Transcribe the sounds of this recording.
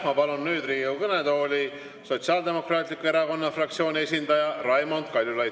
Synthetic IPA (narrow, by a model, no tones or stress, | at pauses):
mɑvɑlonːyːd̪riːjukɤned̪o̞ːlʲi | so̞t̪siɑːld̪e̞mo̞krɑːt̪ʲlikːue̞ɾɑko̞nːɑfrɑk̚t̪sio̞ːnʲie̞s̬ʲind̪ɑjɑrɑjmond̪kɑlʲjulɑj